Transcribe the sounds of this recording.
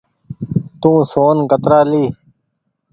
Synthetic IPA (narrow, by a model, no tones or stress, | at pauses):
t̪ũːsoːnkət̪ɾaːliː